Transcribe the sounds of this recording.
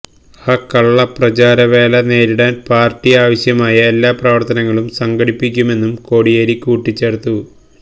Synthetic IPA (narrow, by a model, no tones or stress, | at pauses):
aːkːɐɭːɐprɐt͡ɕaːɾɐʋeːlɐne̞ːɾiɽaːnpaːrtːiaːʋɐɕjɐmaːjɐe̞lːaːprɐʋɐrt̪ɐnɐŋːɐɭumsɐŋɡɐɽipːikʲːume̞nːumko̞ːɽijeːɾikːuːʈːit͡ɕːeːɽt̪ːu